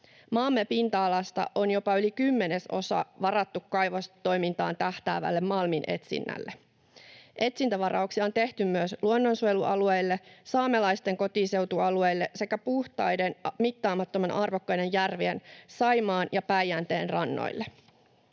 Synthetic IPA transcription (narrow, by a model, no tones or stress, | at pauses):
mɑlmːepint̪ɑːlɑst̪ɑ̰ʔo̞njo̞pɑylikymːe̞ne̞so̞̰sɑ̰ʋɑrɑt̪ːukːɑjʋost̪o̞jmint̪ɑːnt̪æht̪æ̰ːʋæ̰lːe̞mːɑlminʔe̞̰t̪sḭnːæ̰lːe | ʔe̞t̪sint̪æʋɑɾɑ̰uwksiɑo̞nt̪e̞ht̪ymːyøsluonːo̞nsujeluʔɑluejlːe̞sɑːmelɑjst̪e̞ŋko̞t̪ise̞wt̪uɑlue̞jlːe̞se̞kæpuht̪ɑjde̞nmit̪ːɑːmɑt̪ːomenʔɑrʋokːɑjne̞njærʋiensɑjmɑːnjɑpæjænt̪e̞ːnrɑnːo̰jlːe